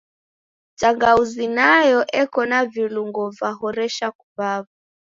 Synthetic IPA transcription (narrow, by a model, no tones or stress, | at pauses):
t͡ʃaŋɡauzinajɔʔɛkɔnaviluŋɡɔvaɦɔɾɛʃakuβavu